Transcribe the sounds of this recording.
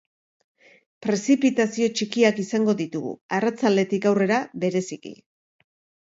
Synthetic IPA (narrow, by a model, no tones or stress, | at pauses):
pɾe̞sipit̪asio̞t͡ʃikiakisaŋɡo̞ðit̪uɣṵarat͡sald̪e̞t̪ikawre̞ɾaβe̞ɾe̞sikḭ